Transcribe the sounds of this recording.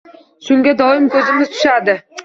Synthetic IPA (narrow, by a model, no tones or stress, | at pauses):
sʊŋɡʲæd̪ɒjɪmkʲʰɵzɪmɪzt̪ʰʊ̥ʃɑd̪ɪ